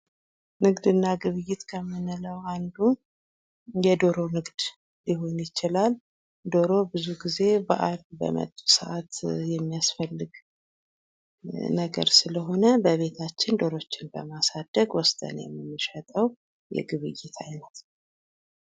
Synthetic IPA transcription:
nɨɡd̪ɨnːaɡɨβɨjɪt̪kʰəmːɨnɨləwand̪u | jɛd̪o̞ɾo̞nɨɡd̪ | liho̞njɪt͡ʃɪlal | d̪o̞ɾo̞bɨzuɡize̞ba̰ʔalbə̰mə̰t̪ʼːu̥səʔat̪jɛmːijasfəlːɨɡ | nəɡə̰ɾsɨləɦo̞nəbəβe̞t̪ʰat͡ʃːɪnd̪o̞ɾo̞t͡ʃːɪnbə̰masad̪̥ːəɡwɔst̪ʼə̰njɛ̰mːɨnːɨʃət̪ʼəw | jɛ̰ɡɨβɨjɪt̪ʰajnət̪

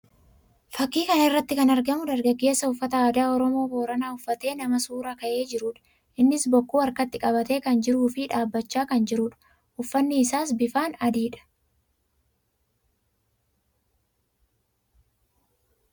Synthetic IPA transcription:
fɐkːiːkɐnɪrːɐt̪ːɪkɐnɐɾɡɐmʊd̪ɐɾɡɐɡːe̞ːsːɐʊfːɐt̪ɐaːd̪aːɔɾɔmo̞ːbo̞ːɾɐnaːʊfːɐt̪e̞ːnɐmɐsuːɾɐkɐʔe̞ːd͡ʒɪɾuːᶑɐ̥ | ʔɪnːɪsbɔkːuːɐɾkɐt̪ːɪkʼɐbɐt̪e̞ːkɐnd͡ʒɪɾuːfɪᶑaːbːɐt͡ʃːaːkɐnd͡ʒɪɾuːᶑɐ̥ | ʊfːɐnːɪːsaːs̬bɪfaːnɐd̪iːᶑɐ̥

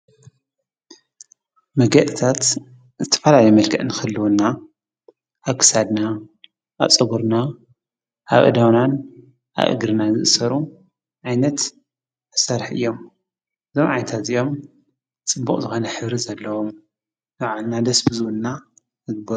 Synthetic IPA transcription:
mɐɡɐʔt̪ʰat̪ | zɨt̪ʰɐ̥fɐlalɐjmɐlkʰɐʔnɨxɐlːuwunːa | ʔaβkʰɨ̥sad̪na | ʔat͡sʼɐβuɾna | ʔa̰βʔɨ̰d̪awnan | ʔa̰βʔɨ̰ɡɾɨnazɨ̰ʔsɐɾu | ʕajnɐt̪ | ɨsaɾħɨ̰jːo̞m | ʔɨzo̞mʕajnɐt̪ʰat̪ɨjo̞m | t͡sʼɨbːuχʼzɨxo̞nɐħɨβɾizɐlːɐwom | jaʕalnad̪ɐsbɨzɨwunːa | nɨɡɨbɐ

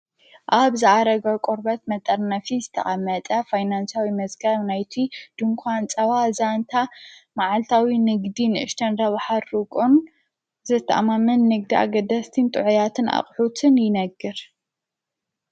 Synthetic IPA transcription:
ʔaβzɨʔaɾɐɡɐkʼuɾbɐt̪̚mɐt̪ʼɐɾnɐfizɨt̪ʰɐχʼɐmːɐt̪ʼɐfajnansawimɐzɡɐβnajt̪ʰid̪̥ɨŋkʷʰant͡sʼɐwazant̪ʰamaʕalt̪ʰawinɨɡd̪inɨʔɨʃt̪ʰɐnɾɐβħaɾukʼon | zɨt̪ʰːɐ̰ʔamamɨnːɨɡ̚d̪ia̰ɡɐd̪ɐst̪ʰint̪ʼɨʕujat̪ʰɨna̰χʼħut̪ʰɨnjɪnɐɡːɨɾ

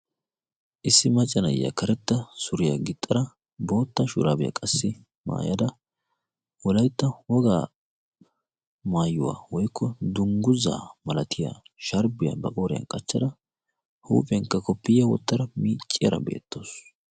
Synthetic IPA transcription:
ʔɪsːɪmɐt͡ʃʼːɐnɐjːa̰kʰɐɾɛt̪ːɐsʊɾɪjɐɡɪt̪ʼːɐɾɐ | bo̞ːt̪ːɐʃʊɾaːbɪjɐ̰kʼɐsːɪ | ma̰ːjɐd̪ɐ | wɔlɐjt̪ːɐwɔɡaː | maːjːʊwa̰ːwɔjkʰːɔd̪ʊŋɡʊza̰ːmɐlɐt̪ʰɪja̰ʃɐɾbɪjɐbɐkʼoːɾɪjɐ̰nkʼɐt͡ʃːɐd̪ɐ | hṵːpʼɛŋkːɐkɔpːɪjːɐwɔ̰t̪ːɐɾɐmiːt͡ʃʼːɪjɐ̰ɾɐ̰bḛːt̪ːo̞ːs

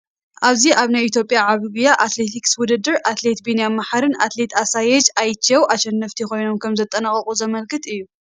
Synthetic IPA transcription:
ʔaβziʔaβnajit̪ʰjo̞pʼjaʕaβɨɡijaʔat̪le̞t̪ʰikswʊd̪ɨd̪ɨɾʔat̪le̞t̪binijamaħaɾɨnat̪le̞t̪asajɛd͡ʒajɨt͡ʃʰːɐwʔaʃɛnːɐft̪ʰixo̞jno̞mkʰɐmzɐt̪ʼɐnaχʼɐχʼuzɐmɐlkʰɨt̪ɨjːu

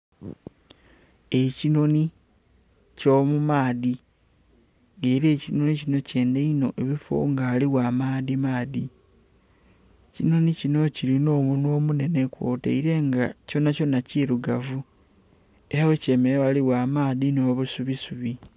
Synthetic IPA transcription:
e̞cino̞ni | co̞ːmumaːði | ŋɡeːɾe̞ːcino̞nicino̞ce̞ːndeino̞̰ʔe̞βifo̰ŋɡaːliwamaːðimaːði | cino̞nicino̞ciɾino̞ːmuno̞ːmune̞nekwo̞ːtḛiɾe̞ŋɡaco̞naco̞naciɾuɡavu | e̞ɾawe̞ceːmewaliwaːmaːðinoːβusuβisuβi

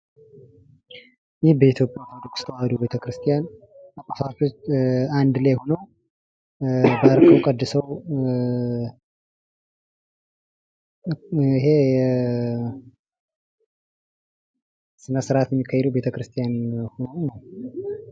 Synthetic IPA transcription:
jɪhbəit̪ʰjo̞pʼjak̪ad̪əkʼst̪ʰəwad̪owbe̞t̪ʰəkɾɨst̪ʰijan | akʼafafot͡ʃːand̪lajho̞nəw | baɾkʰəwkʼəd̪ːɨsəw | iɦe | sɨnəsɨɾʔat̪jɛmːikʰːajɛd̪əwbe̞t̪ʰəkɾɨst̪ʰijanhonəwnəw

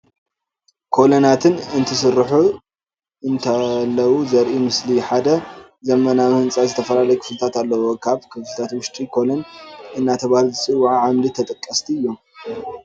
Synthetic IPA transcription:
kʰo̞lonat̪ʰɨnɨnt̪ʰɨsɨɾːħu | ɨnt̪ʰalːɐwuzɐɾʔimɨsliħad̪ɐ | zɐmɐnamhɨnt͡sʼazɨt̪ʰɐfɐlalɐjkʰɨ̥flɨt̪ʰat̪alːɐwokʰaβkʰɨflt̪ʰat̪wʊʃt̪ʼikʰo̞lonʔɨnːat̪ʰɐβahluzɨsʼɨwːʕʕamlit̪ʰɐt̪ʼɨkʼːɐst̪ʰiɨjːo̞m

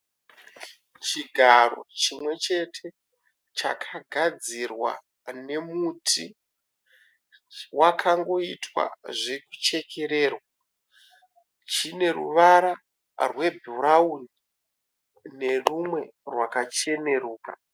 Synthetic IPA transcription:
t͡ʃiɡʱaɾo̞̰t͡ʃimwe̞t͡ʃe̞tʰe̞ | t͡ʃa̰kʰaɡʱad͡zirwa̰ | ne̞mutʰi | wakʰaŋɡo̞itwa̰ʐe̞ku̥t͡ʃe̞ke̞ɾe̞ːrwaa | t͡ʃine̞rṵʋaɾa | rwe̞bʱuɾauni | ne̞rumwe̞ | rwakat͡ʃe̞ne̞ruːka̰

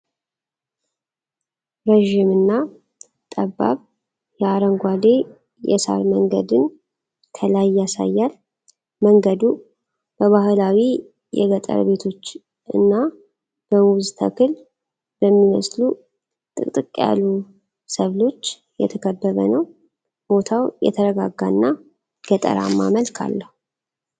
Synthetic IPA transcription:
ɾəʒimɨnːa | t̪ʼəbːa̰β | jɛaɾəŋɡʷad̪e̞ | jɛ̰sa̰ɾməŋɡəd̪ɨn | kʰəlajːasa̰jːal | məŋɡəd̪u | b̥əβaɦɨlawi | jɛ̰ɡət̪ʼə̰ɾβe̞t̪ʰo̞t͡ʃː | ʔɨnːa | b̥əmwzt̪ʰə̰kɨl | bəmːiməslu | t̪ʼɨkʼt̪ʼɨkʼja̰lu | səβlo̞t͡ʃː | jɛ̰t̪ʰəkʰəbːəβənəw | b̥o̞t̪ʰawjɛ̰t̪ʰəɾəɡaɡːanːa | ɡ̥ət̪ʼə̰ɾa̰mːa̰məlkʰa̰lːəhu

